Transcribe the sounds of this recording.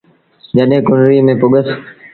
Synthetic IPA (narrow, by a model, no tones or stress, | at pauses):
d͡ʒəɗɦẽkʊnɾiːmẽːpʊɠəs